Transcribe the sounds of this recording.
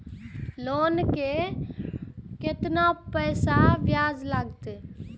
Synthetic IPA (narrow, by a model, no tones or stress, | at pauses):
loːnke | kɪt̪napəjsaʋjaːd͡ʒlaɡt̪